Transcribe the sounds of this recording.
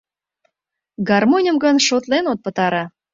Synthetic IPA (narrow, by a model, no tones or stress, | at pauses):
ɡɑrmonʲəmɡənʃot̪lenot̪̚pə̆t̪ɑɾɑ